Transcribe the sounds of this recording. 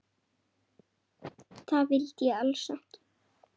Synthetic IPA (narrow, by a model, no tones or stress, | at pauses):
θavɪlt̪jɛalsahcɪ̥